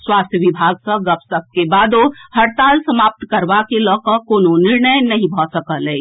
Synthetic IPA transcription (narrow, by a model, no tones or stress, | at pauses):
swaːst̪ʰjəʋibʱaɡsə̃ɡəpsəb̚kebad̪ohəɾt̪aːlsəmap̚t̪kəɾbakelɔːkəkoːnoniɾnəjnəɦĩbʱɔsəkəlɛ